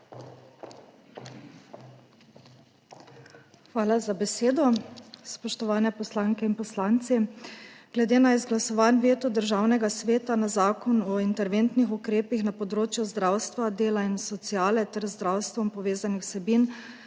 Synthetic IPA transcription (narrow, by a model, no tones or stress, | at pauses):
xʋaːlazabɛseːd̪ɔspɔʃt̪ɔʋaːnɛpɔslaːŋkɛinpɔslaːnt̪si | ɡ̥lɛd̪eːnaizɡlasɔʋaːnʋeːt̪ud̪əɾʒaːwnɛɡasʋeːt̪anazaːkɔnɔint̪ɛɾʋent̪nixukɾeːpixnapɔd̪ɾoːt͡ʃjuzd̪ɾaːwst̪ʋad̪eːlainsɔt̪siaːlɛt̪ɛɾzd̪ɾaːwst̪ʋɔmpɔʋeːzanixwsɛbin